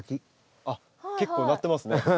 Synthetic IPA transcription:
kʲi | a | ke̞kːoːnat̪ːe̞masɨne

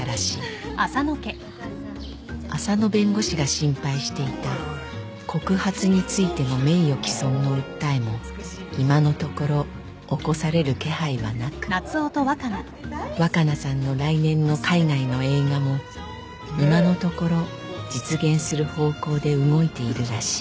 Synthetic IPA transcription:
ɾaɕi̥ːasanoke | asano̞bẽ̞ŋɡo̞ɕiɡaɕĩmpaiɕi̥t̪e̞it̪a | kʰo̞kɯ̟hat͡sɨɲ̟it͡sɨit̪e̞no̞me̞ijo̞kʲi̥sõ̞nːo̞ɯ̟t̪ːaemo̞ | imano̞t̪o̞ko̞ɾo̞ː | ko̞saɾe̞ɾɯ̟ke̞haiβa̰nakɯ̟̥nat͡sɨot̪o̞βakana | βakanasãnːo̞ɾainẽ̞nːo̞kʰainaino̞e̞ːɡamo̞ | imano̞t̪o̞ko̞ɾo̞ | d͡ʑit͡sɨɡẽɰ̃sɨɾɯ̟ho̞ːko̞ːd̪e̞ɯ̟ŋo̞it̪e̞iɾɯ̟ɾaɕi̥

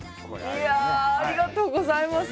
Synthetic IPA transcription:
jaːɾʲiɡat̪o̞ːɡozaimas

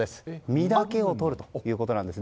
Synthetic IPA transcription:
e̞sɨ̥mʲid̪ake̞o̞t̪o̞ɾɯ̟t̪o̥jɯ̟ːko̞t̪o̞nãnd̪e̞sɨ

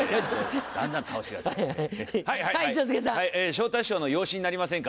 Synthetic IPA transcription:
d̪ã̰nd̪ãŋt̪ʰaoɕiɡa̰ | haihaiait͡ɕoskesãaieːɕo̞ːt̪aiɕo̞ːno̞jo̞ːɕiɲ̟inaɾʲimasẽŋka

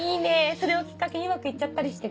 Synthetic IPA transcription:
iːneso̞ɾe̞okʲi̥kːakeɲ̟iɯmakɯ̟itːt͡ɕːat̪ːaɾʲiɕi̥t̪e

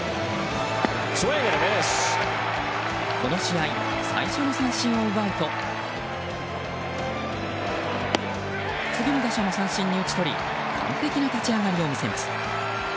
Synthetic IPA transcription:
smeɡeɾad̪es | ko̞no̞ɕiai | sa̰iɕo̞no̞sãɰ̃ɕĩɰ̃o̞ɯβait̪o̞ | t͡sɨɡʲinod̪aɕano̞sãɰ̃ɕĩɲ̟ːiɯ̟t͡ɕi̥t̪o̞ɾʲḭ | kʰã̰nt̪ekʲinat̪at͡ɕiaɡaɾʲiomʲise̞masɨ̥

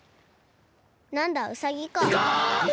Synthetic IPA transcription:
nand̪awsajikɔ

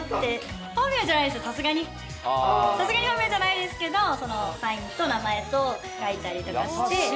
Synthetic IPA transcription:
t̪ːe̞ | hoːmʲiad͡ʑanaid̪esɨjsasɨɡaɲ̟i | sasɨɡaɲ̟ihoːmʲiad͡ʑanaid̪e̞sɨ̥ke̞d̪oso̞nosãĩnt̪o̞namae̞t̪o̞ | kait̪aɾʲit̪o̞kaɕi̥t̪e̞

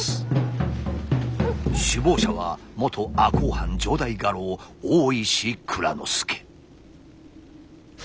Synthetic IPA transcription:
sɨ̥ | ɕɨbo̞ːɕaβa̰mo̞t̪ʰo̞akoːhãɲ̟d͡ʑo̞d̪aiɡaɾo̞ːoːiɕikʰɯ̟ɾa̰no̞̰sɨ̥kʰe̥

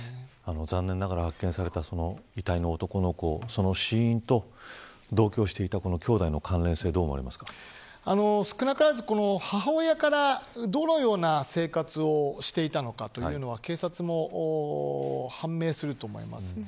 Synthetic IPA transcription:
ano̞zãnːẽ̞nːaɣaɾahakːẽsaɾe̞t̪aso̞no̞it̪aino̞ːt̪o̞ko̞no̞ko̞so̞no̞ɕiĩnt̪o̞ | d̪o̞ːkʲo̞ːɕi̥t̪e̞it̪ako̞no̞kʲo̞ːd̪aino̞kʰãnɾẽ̞se̞ːd̪o̞ːmo̞a̰ɾimasɨ̥kḁ | ano̞sɨ̥kɯ̟nakɯɾazɨko̞no̞haɦaːjakaɾad̪o̞no̞jo̞ːnase̞ːkat͡sɨo̞ɕi̥t̪e̞it̪ano̞kat̪o̞jɯ̟ːno̞βake̞ːsat͡sɨmo̞ʔ | hãmːe̞ːsɨɾɯ̟t̪o̞ːmo̞̰ḭma̰sɨ̥

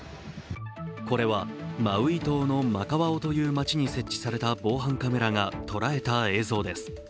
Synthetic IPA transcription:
ko̞ɾe̞βamaɯ̟it̪o̞ːno̞makaβao̞t̪o̞jɯ̟ːmat͡ɕiɲ̟ise̞t͡ɕːi̥saɾe̞t̪abo̞ːɦãŋkame̞ɾaŋat̪o̞ɾae̞t̪ae̞ːzo̞ːd̪e̞sɨ̥

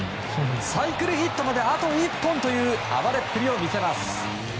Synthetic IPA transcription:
saikɯ̟ɾɯ̟çit̪ːo̞mad̪eat̪o̞ipːõ̞nt̪o̞jɯ̟ːa̰βaɾe̞pːɯɾʲio̞mʲise̞masɨ̥

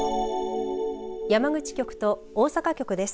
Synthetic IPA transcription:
jamaɡɯ̟t͡ɕi̥kʲo̞kɯ̟̥t̪o̞ | oːsakakʲo̞kɯ̟d̪e̞sɨ̥

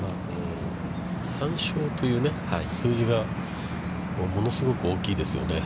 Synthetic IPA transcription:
maː | e | sãɰ̃ɕo̞ːt̪o̞jɯ̟ːne̞haisɨːʑiɡa | moːmo̞no̞sɨɡo̞kɯ̟o̞ːkʲiːd̪e̞sɨjo̞̰ne̞

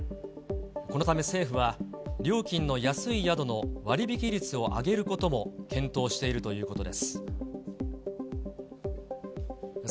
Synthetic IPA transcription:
ko̞no̞t̪̬ame̞se̞ːɸɯ̟βaɾʲo̞ːkʲĩnːo̞jasɨijad̪o̞no̞βaɾʲibʲikʲiɾʲit͡sɨo̞ʔa̰ɡe̞ɾɯ̟ko̞t̪o̞mo̞kʰẽ̞nt̪o̞ːɕi̥t̪e̞iɾɯ̟t̪o̞jɯ̟ːko̞t̪o̞d̪e̞sɨ̥

